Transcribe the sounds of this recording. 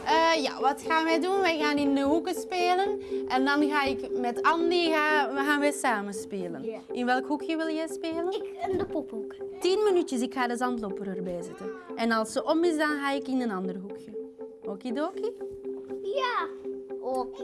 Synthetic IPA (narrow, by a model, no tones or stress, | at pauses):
əːja̰ʋɑtxaːnʋɛjdunʋɛjɣaːnɪndəɦukəspeːlənʔɛndɑnɣaːɪkmɛtɑndiɣaːɣaːnʋɛjsaːmənspeːlən | ʔɪnʋɛlˠkɦukjəʋɪlˠjɛjspeːləkəndəpɔpɦukətinmənytjəsɪkxaːdəzɑntlopəɾərbɛjzɪtənɛnɑlˠsəʔɔmɪsdɑnɣaːɪkɪnənɑndərəɦukʰjə | oːkidoːki | ja | oːk